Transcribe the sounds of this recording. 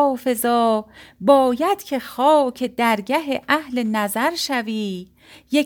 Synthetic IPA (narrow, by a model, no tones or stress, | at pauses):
fe̞zɒːbɒːjæd̪̥cʰe̞xɒːcʰed̪æɾɡæɦeʔæhle̞næzæɾʃæviː | je